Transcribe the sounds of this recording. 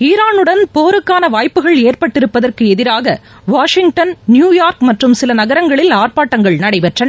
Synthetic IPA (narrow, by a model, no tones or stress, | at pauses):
iːɾaːnɯɽɐnpoːɾɯkːaːnɐʋaːjpːɯɣɐɭeːrpɐʈːɪɾɯpːɐðɐrkɯɛðɪɾaːɣɐ | ʋaːʂɪŋɡʈɐnnjuːjaːɾkmɐʈrɯmsɪlɐnɐɣɐɾɐŋɡɐɭɪlaːrpaːʈːɐŋɡɐɭnɐɽɐɪpɛʈrɐn